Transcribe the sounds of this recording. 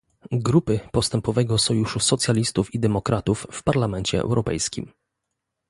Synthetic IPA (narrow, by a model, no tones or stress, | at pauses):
ɡɾupɘpɔst̪ɛmpɔvɛɡɔsɔjuʂusɔt̪sʲjalʲist̪ufid̪ɛmɔkɾʔat̪ufːpaɾlamɛnt͡ɕɛ̰ɛ̰wɾʔɔpɛ̰jskʲḭm